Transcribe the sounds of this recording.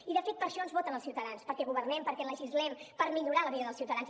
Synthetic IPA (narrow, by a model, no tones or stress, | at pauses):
iðəfet̪̚pəɾʃɔənzβɔt̪ənəlˠsiuwt̪əðanspəɾkɛɣuβ̞ərnɛmpəɾkɛləʒizlɛmpəɾmiʎuɾaləβiðəðəlˠsiwt̪əðanz